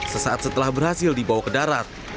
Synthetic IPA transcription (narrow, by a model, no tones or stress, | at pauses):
səsaʔat̪̚sət̪əlahbərhasɪldibawakədaɾat̪̚